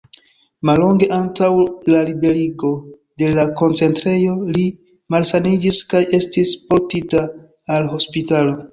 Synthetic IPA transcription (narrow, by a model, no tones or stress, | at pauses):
malːo̞ŋɡe̞ʔantawlaɾibe̞ɾiɡo̞ | de̞lako̞nt͡se̞ntɾe̞jo̞li | malsanid͡ʒiskaje̞stispo̞ɾtitaː | lɦo̞spitalo̞